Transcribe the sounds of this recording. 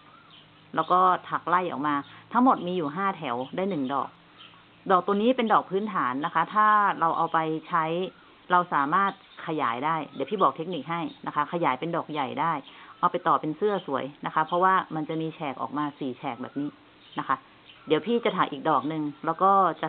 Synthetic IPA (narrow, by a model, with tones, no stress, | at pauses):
lɛː˦˥wkɔː˥˩t̪ʰa˨˩k̚la˥˩jʔɔ̰ː˨˩k̚maː˧t̪ʰa˦˥ŋmo˨˩t̪̚miː˧juː˨˩ɦaː˥˩t̪ʰɛ˨˩˦wdaː˥˩jnɯ˨˩ŋdɔ̰ː˨˩k̚ | dɔː˨˩k̚t̪u˧ŋniː˦˥pe˧ndɔː˨˩k̚pʰɯː˦˥nt̪ʰaː˩˦nːa˦˥kʰa˦˥t̪ʰaː˥˩ɾa˧wʔa˧wpa˧jt͡ɕʰa˦˥j | ɾa˧wsaː˩˦maː˥˩t̪̚kʰa˧jaː˩˦jdaː˥˩jdiː˨˦wpʰiː˥˩bɔː˨˩k̚t̪ʰe˦˥k̚niː˨˩k̚ɦa˥˩jna˦˥kʰa˦˥kʰa˧jaː˩˦jpe˧ndɔː˨˩k̚ja˨˩jdaː˥˩jʔa˧wpa˧jt̪ɔː˨˩pe˧nsɯ˥˩ɐəsu˩˦əjna˦˥kʰa˦˥pʰɔ˦˥waː˥˩ma˧nt͡ɕa˨˩miː˧t͡ɕʰɛː˨˩k̚ʔɔ̰ː˨˩k̚maː˧siː˨˩t͡ɕʰɛː˨˩k̚bɛː˨˩p̚niː˦˥ | na˦˥kʰa˦˥ | di˨˦wpʰiː˥˩t͡ɕa˨˩t̪ʰaː˨˦ʔiː˨˩k̚dɔː˨˩k̚nɯ˧ŋlɛː˦˥wkɔː˥˩t͡ɕa˨˩